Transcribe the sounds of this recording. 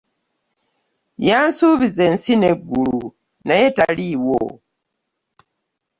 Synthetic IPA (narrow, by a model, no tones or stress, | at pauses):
jaːnsuːβize̞nsine̞ɡːulu | najetaliwo̰